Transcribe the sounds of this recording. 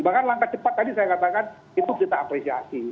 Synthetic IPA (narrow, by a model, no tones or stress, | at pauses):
bakanlaŋkat͡ʃəpat̪̚ːadisajakat̪akan | it̪ukit̪aːpɾesia̰si